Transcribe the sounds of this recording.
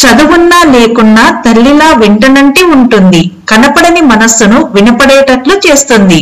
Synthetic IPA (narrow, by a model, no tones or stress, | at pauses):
t͡ʃɐd̪uʋunːaːle̞ːkunːaːt̪ɐlːilaːʋiɳʈɐnɐɳʈiuɳʈund̪ikɐnɐpɐɽɐnimɐnɐsunuʋinɐpɐɽɛːʈɐʈlut͡ʃe̞ːst̪und̪i